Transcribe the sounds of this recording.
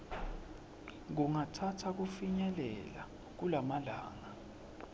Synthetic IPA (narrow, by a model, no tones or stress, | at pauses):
ŋuŋatʰatʰak̬ufiɲɛlɛla | k̬ulamalaːŋa